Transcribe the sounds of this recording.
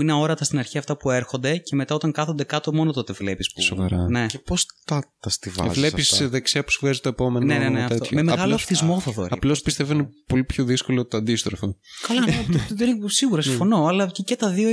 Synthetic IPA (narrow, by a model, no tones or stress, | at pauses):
ineo̞ɾɐt̪ɐst̪inɐɾçiɐft̪ɐpue̞ɾxo̞nd̪e̞ce̞me̞t̪ɐot̪ɐŋkɐθond̪ekɐt̪o̞mo̞not̪o̞t̪e̞vlepisso̰vɐɾɐne̞cepost̪ɐt̪ɐst̪ivɐ̰zvlepisðekseɐpu̥svɣɐzt̪oepo̞menneneneɐt̪ememeɣɐloɐfθizmo̞θɐðoɾɐplo̞spist̪evoinepo̞lipçoðisko̞lot̪oɐnd̪ist̪ɾofokɐlɐðenesiɣuɾɐsimfo̞no̞ɐlɐcecet̪ɐðio